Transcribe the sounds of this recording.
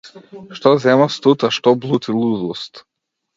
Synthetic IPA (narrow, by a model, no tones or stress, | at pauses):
ʃt̪ɔzɛmast̪ut̪aʃt̪ɔblˠut̪ʰilˠud̪ust̪